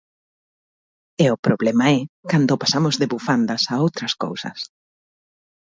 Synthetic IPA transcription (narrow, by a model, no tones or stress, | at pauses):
eʊpɾoβlɛmɐɛkand̪opasamʊzðeβufand̪ɐsaowt̪ɾɐsko̰wsɐ̰s